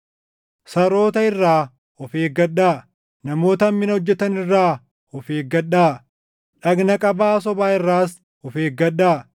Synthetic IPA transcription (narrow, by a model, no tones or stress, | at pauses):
sɐɾo̞ːt̪ɐɪrːaː | ɔfeːɡɐɗaː | nɐmo̞ːt̪ɐmːɪnɐɔd͡ʒːɛt̪ɐnɪrːaː | ɔfeːɡɐɗːaː | ᶑɐɡnɐkʼɐbaːs̬ɔbaːɪrːaːs | ɔfeːɡɐɗːaː